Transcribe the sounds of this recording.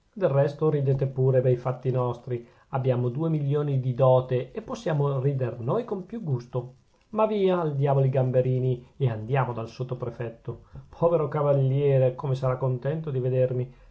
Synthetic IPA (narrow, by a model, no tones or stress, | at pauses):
d̪elrɛst̪oɾid̪eːt̪epuːɾebɛjfat̪ːinɔst̪ɾi | abːjaːmod̪uːemiljoːnid̪id̪ɔːt̪eːpːosːjaːmoriːd̪ernoːjkompjuɡːust̪o | maviːaːld̪jaːvoliɡambeɾiːnieand̪jaːmod̪alsot̪ːopɾefɛt̪ːopʰɔːveɾokavalːjɛːɾekomesaɾakːont̪ɛnt̪od̪ived̪ermi